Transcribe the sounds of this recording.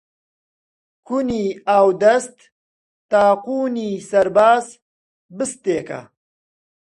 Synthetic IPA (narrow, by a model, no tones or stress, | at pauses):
kuniawd̪ɐst̪ː | aːquːniːsɐɾbaːz | bɨst̪eːka̰